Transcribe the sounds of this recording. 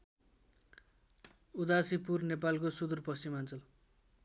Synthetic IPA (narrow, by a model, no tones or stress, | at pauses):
ud̪asipurnepalkosud̪urpʌst͡simant͡sʌl